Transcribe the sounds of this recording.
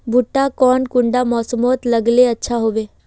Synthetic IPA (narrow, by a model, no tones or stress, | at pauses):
bʱʊʈːakɔːnkʊ̃ɳɖamɔːsəmoːt̪ləɡleɐtːʃʰaɦoːʋeː